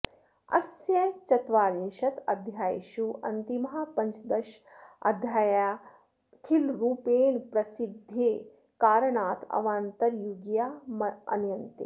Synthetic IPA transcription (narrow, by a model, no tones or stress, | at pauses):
ɐ̰sjɐt͡ʃɐt̪ʋaːɾinʃɐt̪ɐd̪ʱjaːjʃuʔɐ̰nt̪imɐɦaːpɐɲt͡ʃd̪ɐʃ | ɐ̰d̪ʱjaːjaː | kʰilɾuːpeːɳpɾɐsid̪ʱjeː | kaːɾɐɳaːt̪ʰɐ̰ʋaːnt̪ɐɾjuɡjaːmɐ̰njɐnt̪ḛ